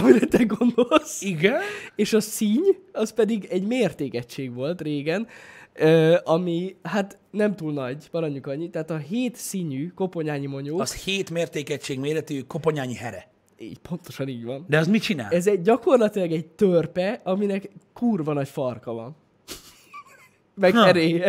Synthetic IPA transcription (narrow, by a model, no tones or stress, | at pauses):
ɒmiɾɛt̪ɛɡo̞nd̪o̞lsiɡɛneːʃɒsiɲɒspɛd̪iɡɛɟmeːrt̪eːkɛt͡ʃːeːɡʋo̞lt̪reːɡɛnøːʔɒmiɦat̪ | nɛmt̪uːlnɒɟpɒɾɒɲːukɒɲːit̪ɛaːt̪ɒɦeːt̪siɲyko̞po̞ɲaːɲimo̞ɲoːsheːt̪meːrt̪eːkɛt͡ʃːeːɡmeːɾɛt̪ykopo̞ɲaːɲihɛɾɛ̰ | ḭːcpo̞nt̪o̞ʃɒniːɟʋɒnd̪ɛɒzmit͡ʃina̰ːlɛzɛɟːɒko̞rlɒt̪ilɒɡɛɟ̚t̪ørpɛɒminɛkkuːrvɒnɒcfɒrkɒvɒ̰n | mɛkɛɾeːɛ